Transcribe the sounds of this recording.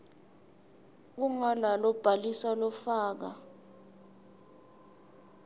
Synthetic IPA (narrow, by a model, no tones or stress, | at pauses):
uŋalalɔb̥ʱalisalɔfaːk̬a